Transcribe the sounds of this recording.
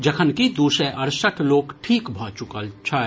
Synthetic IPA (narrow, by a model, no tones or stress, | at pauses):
d͡ʒɐkʰənkid̪uːsẽʔɐɾsəʈʰloːɡʈʰiːkbʱaːt͡ʃʊkət͡ʃʰa